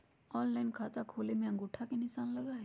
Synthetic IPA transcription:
ɔːnlaːɪnkʰaːt̪akʰoːlemẽɐ̃ŋɡʊʈʰːakenɪsaːnlɐɡaɦɛ

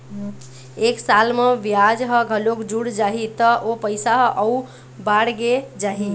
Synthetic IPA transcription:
eksalmeʋjad͡ʒɦəɡʱəlokd͡ʒuɽd͡ʒaɦit̪əʔopəɪsaɦʔəu | baɽɡed͡ʒaɦi

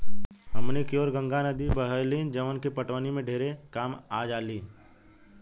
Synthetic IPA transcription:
ɦəmnekjoːɾɡə̃ŋɡanəd̪ibəɦəlid͡ʒəʋənkipəʈʋənimẽɖʱeːɾekaːmaːd͡ʒaːliː

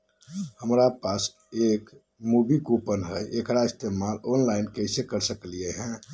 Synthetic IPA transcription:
həmɾapas | ek | mubikupənɦəjʔekɾaɪst̪emalonlaɪnkəɪsekəɾsəklijeɦɛ̃

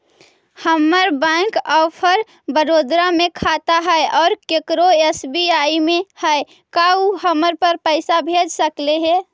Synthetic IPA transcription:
həmːəɾbɛ̃kɔpʰəɾ | bəɾoːd̪ɾamẽkʰat̪aɦɛeʔɔːɾkekɾoesbiaːimẽhɛe | kauɦəməɾpəɾpəɪsabʱed͡ʒsəkleɦɛ

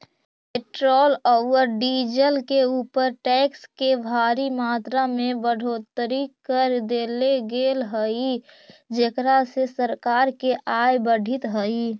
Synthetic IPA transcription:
peʈɾoːlɔʋəɾɖid͡ʒəlkeuːpəɾʈɛkskebʱaːɾimaːt̪ɾamebəɽ̤ʱot̪ɾikəɾd̪eleɡelɦəid͡ʒekɾasesəɾkaːɾkeʔajbəɽʱit̪ɦəi

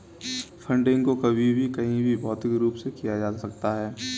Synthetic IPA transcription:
fʰɐ̃ɳɖɪ̃ŋɡkokɐbʱibʱikɐɦĩbʱibɔːt̪ɦiɡɾuːpsekijad͡ʒaːsɐk̚t̪aɦɛː

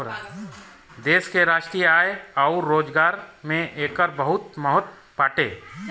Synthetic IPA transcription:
d̪eːskeɾaːʃʈɾijəaːjeaʊɾːoːd͡ʒɡaːɾmẽʔeːkəɾbəɦʊt̪məɦʊt̪̚ | paːʈeː

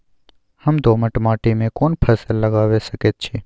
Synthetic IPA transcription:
həmd̪oməʈmaːʈimẽkonpʰəsəlːəɡaːʋeʃəket̪̚t͡ʃʰi

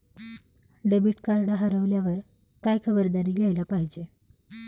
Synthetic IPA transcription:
ɖebiʈkaɾɽaɦəɾəʋljaʋəɾ | kajkʰəbəɾd̪aɾiːɡʱajlapaɦid͡ʑe

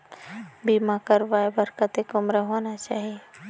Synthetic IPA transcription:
biːmakəɾʋaːebəɾkət̪ekʊmɾəɦoːnat͡ʃaːɦie

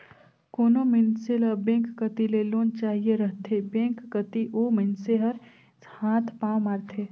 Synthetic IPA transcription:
koːnomɪnseləbẽːkːət̪ileloːnt͡ʃaːɦieɾəɦt̪ʰebẽːŋkːət̪iʔoːmɪnseɦəɾ | hãːt̪ʰpaːmaːɾt̪ʰeː

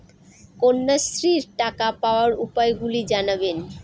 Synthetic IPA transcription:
konːast̪ɾiɾʈakapaoaɾupaeɡulid͡ʑanaben

